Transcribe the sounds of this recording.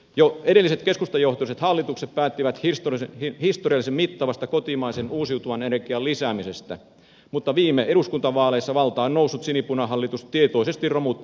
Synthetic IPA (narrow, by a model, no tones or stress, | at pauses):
joe̞ɾelːiset̪ke̞skust̪ɑjo̞ht̪ouset̪hɑlːit̪uksep̚pæːt̪ːiʋæt̪hist̪ohist̪oriɑlːˑisemmit̪ːɑʋɑst̪ɑkot̪imɑisenuːsiut̪uʋɑnenerkiɑllisæːmisest̪æ̰ | mut̪ːɑʋiːmːeeɾuskunt̪ɑʋɑːleisːɑʋɑlt̪ɑːonnousːut̪sinipunɑɦɑlːit̪ust̪t̪iet̪o̞ise̞st̪irromut̪ː